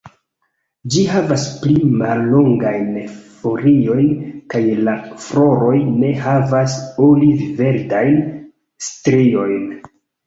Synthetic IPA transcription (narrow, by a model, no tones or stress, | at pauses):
d͡ʒihavasplima̰lːo̞ŋɡajnfo̞ɾio̞jnkajlafɾo̞ɾo̞jne̞havasolive̞ɾdajn | stɾio̞jn